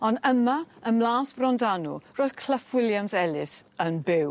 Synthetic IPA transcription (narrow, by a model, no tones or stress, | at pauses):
ɔnəmaəmlaːsb̥rɔndanṵroːð̥kʰl̥əfwɪljamsɛlɪsənbɪw